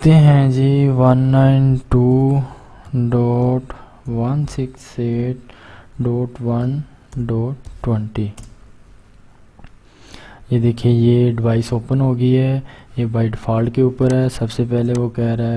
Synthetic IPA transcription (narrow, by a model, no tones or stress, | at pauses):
t̪eːɦɛ̃ːd͡ʒiːʋənːaːɪnʈuː | ɖoːʈ | ʋənsɪkseːʈ̚ɖoːʈʋən | ɖoːʈwɛ̃ɳʈiː | jeːd̪eːkʰeːjeːɖɪʋaːisoːpənɦoːɡəiːɛːjeːbaːɪʈpʰaːlkeupəɾɦɛːsəbseːpɛːleːʋoːkɛːɾaɛ